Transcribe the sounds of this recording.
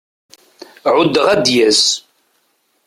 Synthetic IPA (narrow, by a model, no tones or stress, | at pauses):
ʕʊd̪əʁæd̪jæs